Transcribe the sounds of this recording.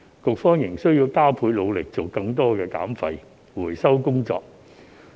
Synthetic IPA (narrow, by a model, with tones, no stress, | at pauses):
kʊ˨k̚fɔː˥ŋjɪ˨˩ŋsɵ˥ɥjiː˧wkaː˥wpʰuː˨˧jlo˨˧wlɪ˨k̚t͡so˨wkɐ˧ŋt̪ɔː˥kɛː˧ka̰ː˨˥mfɐ˧j | wuː˨˩jsɐ˥wkʊ˥ŋt͡sɔ̰ː˧k̚